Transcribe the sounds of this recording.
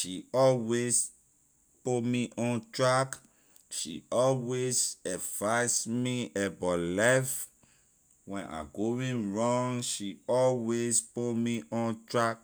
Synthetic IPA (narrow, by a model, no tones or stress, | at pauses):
ʃiɔlwes | pomiʔɔ̃ntɹak | ʃḭɔlwezɛfasmiɛbɔlaf | wɛ̃nʔa̰ɡowĩnɹɔ̃ŋʃiɔlwespomiʔɔ̃ntɹak̚